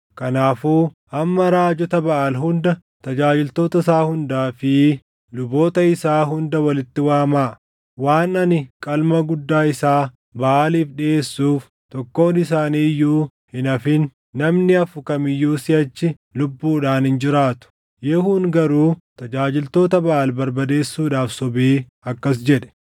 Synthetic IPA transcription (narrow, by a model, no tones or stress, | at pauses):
kɐnaːfuːʔɐmːɐɾaːd͡ʒɔt̪ɐbɐʔɐlɦʊnd̪ɐ | t̪ɐd͡ʒaːd͡ʒɪlt̪o̞ːt̪ɐsaːhʊnd̪aːfɪ | lʊbo̞ːt̪ɐɪsaːɦʊnd̪ɐwɐlɪt̪ːɪwaːmaː | waːnɐnɪkʼɐlmɐɡʊd̪ːaːɪsaː | bɐʔaːliːfᶑɪe̞ːsːuːf | t̪ɔkːo̞ːnɪsaːniːɪjːuː | hɪnɐfɪnː | ɐmnɪɐfʊkɐmɪjːuːsɪɐt͡ʃːɪ | lʊbːuːᶑaːnhɪnd͡ʒɪɾaːt̪ʊ̥ | jɛhuːŋɡɐɾuːt̪ɐd͡ʒaːd͡ʒɪlt̪o̞ːt̪ɐbɐʔaːlbɐɾbɐd̪e̞ːsːuːᶑaːfsɔbeː | ɐkːɐs̬d͡ʒɛᶑɛ̥